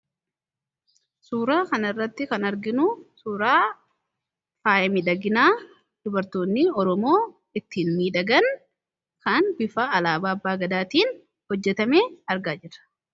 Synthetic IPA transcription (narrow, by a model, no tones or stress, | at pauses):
suːɾaːkɐnɪrːɐt̪ːɪkɐnɐɾɡɪnʊsuːɾaː | faːjɛmɪᶑɐɡɪnaː | d̪̥ʊbɐɾt̪oːnːɪɔɾɔmo̞ː | ɪt̪ːiːnmiːᶑɐɡɐn | kɐnbɪfaːlaːbaːɐbːaːɡɐd̪aːt̪iːn | hɔd͡ʒːɛt̪ɐmeːɐɾɡaːd͡ʒɪrɐ̥